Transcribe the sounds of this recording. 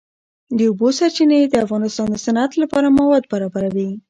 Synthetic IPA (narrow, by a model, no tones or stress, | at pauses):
d̪əubosaɾt͡ʃined̪əafɣɑnɪst̪ɑnd̪əsanat̪lapɑɾamawɑd̪baɾɑbaɾawi